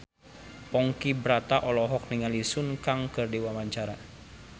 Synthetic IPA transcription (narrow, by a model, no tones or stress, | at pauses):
pɔŋkibɾat̪aʔɔlɔɦɔk̚niŋalisʊnkaŋkərdiwamaɲt͡ʃaɾa